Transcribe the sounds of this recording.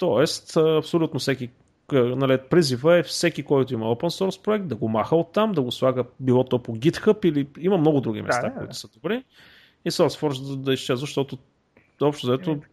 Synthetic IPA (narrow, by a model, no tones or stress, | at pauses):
t̪ɔɛst̪ːɐpsolʲut̪nofsɛkʲi | ənalipɾizivəɛfsɛk̟ikɔjt̪ʊiməopənsɔɾspɾoɛk̚t̪̚d̪ɐɡomaxəot̪ːamd̪ɐɡoslˠaɡəbilˠɔt̪ɔpoɡʲit̪xəpiliiməmnɔɡʊd̪ɾuɡʲḭmɛst̪akʊḭt̪ʊ̥səd̪obɾi | isɔɾsfɔɾʃd̪əd̪ɐist͡ʃɛzvəʃt̪ɔt̪ʊ | ɔpʃt̪ʊzɐɛt̪o